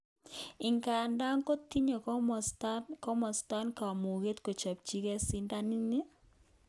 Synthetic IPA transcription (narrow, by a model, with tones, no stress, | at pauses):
ɪ˨ŋka˨nda˦ŋko˦ti˦ɲo˨km˨stakɔ˦mɔ˨sta˦nka˨mu˨ɣe˦tko˨t͡ʃa˨p̚t͡ʃi˦kɛ˦si˦nda˦nɪ˦ni˦